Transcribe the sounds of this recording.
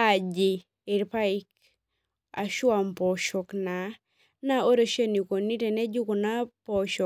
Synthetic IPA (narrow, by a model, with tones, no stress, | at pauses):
a˨d͡ʒɪ˨ | ɪ˨ɾpa˦ɪ˦k | a̰˨ʃwa˨mpɔ˨ʃɔ˨kna˨ | na˦o˦ɾo˦ʃe˦ni˨ko˨ni˦te˨nɛ˦d͡ʒu˦ko˨na˦pɔ˨ʃɔ˨